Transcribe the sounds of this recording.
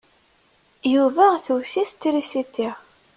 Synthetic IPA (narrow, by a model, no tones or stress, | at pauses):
juvæθuwθiθt̪ːɾisit̪ːiʁ